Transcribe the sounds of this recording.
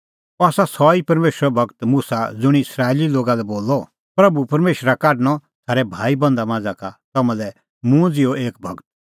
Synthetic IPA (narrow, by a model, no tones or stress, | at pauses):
ɔaːsasɔipɐɾmeːʃɾɔbʱɐɡt̪muːsad͡zʊɽ̃iɪsɾaːeliloːɡalɛboːlːɔ | pɾɐbupɐɾmeːʃɾakaːɖñɔt̪ʰaːɾɛbʱaːibɐ̃nd̪amãːd͡zakat̪ɐmãlɛ | mũd͡zɪoʔeːk̚bʱɐɡt̪̚